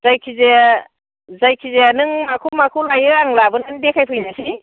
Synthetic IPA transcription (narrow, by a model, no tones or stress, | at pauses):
z̥ajkʰize | zajkʰizeanɯŋmakʰumakʰuwlajɯaŋlabɯnandekʰajpʰɯjnasi